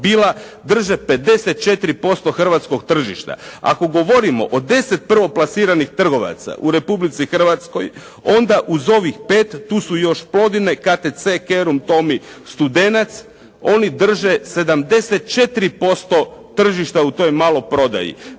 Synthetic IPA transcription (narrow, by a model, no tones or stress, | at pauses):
biːlˠa | d̪r̩ʒepe̞d̪e̞set̪̚t͡ʃe̞t̪ɾipo̞st̪o̞xr̩ʋat̪sko̞ɡ̚t̪r̩ʒiʃt̪a̰a̰ko̞ɡo̞ʋo̞ɾimo̞̰ʔod̪e̞se̞t̪̚pr̩ʋo̞plˠasiːɾanixt̪r̩ɡo̞ʋa̰t̪sa̰ʔuɾe̞publit̪sixr̩ʋat̪sko̞j | o̞nd̪aʔuzo̞ʋixpe̞ːt̪ːuːsujo̞ʃplˠo̞d̪ine̞kat̪et̪se̞ke̞ɾumt̪o̞mist̪ud̪e̞nat̪s | o̞nid̪r̩ʒe̞se̞d̪amd̪e̞set̪̚t͡ʃe̞t̪ɾipo̞st̪o̞t̪r̩ʒiʃt̪aut̪o̞jmaːlo̞pɾo̞d̪a̰jḭ